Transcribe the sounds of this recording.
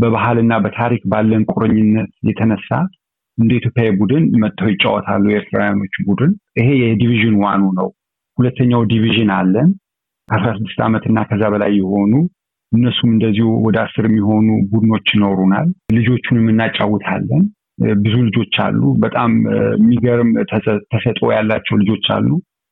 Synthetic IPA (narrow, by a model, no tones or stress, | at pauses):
bəβahalɨnːabət̪ʰaɾikbalːənkʼoɾəɲːɪnːət̪jɛt̪ʰənəsːa | ʔɨnd̪əit̪ʰjo̞pjajbud̪ɨnmət̪ʼːəwjɪt͡ʃʼawɔt̪ʰa̰lːujɛeɾt̪ʰɾa̰wjano̞t͡ʃːbud̪ɨnʔɨɦe̞jɛd̪iviʒɨnwanunəw | hulət̪ʰːəɲːawd̪iviʒɨnalːən | kʰasɾasɨd̪ːɨ̥st̪ʰa̰mət̪ʰɨnːakʰəzːaβəla̰jːɛho̞nu | ʔɨnːəsumɨnd̪əzːihuwɔd̪əasːɨɾɛmːiho̞nubud̪ɨno̞t͡ʃːjɪnoɾuna̰llɨd͡ʒo̞t͡ʃːunɛmːɨnːat͡ʃʼːawːʊt̪ʰa̰lːən | bɨzulɨd͡ʒo̞t͡ʃːa̰lːṵbət̪ʼammːiɡəɾɨmʰt̪ʰəsət̪ʼo̞̰jalːat͡ʃːɛwlɨd͡ʒo̞t͡ʃːa̰lːu